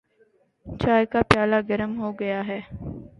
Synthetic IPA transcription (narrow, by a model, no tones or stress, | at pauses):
t͡ʃaːjkaːpjaːlaːɡɐɾəmɦoːɡɐjaːɦɛː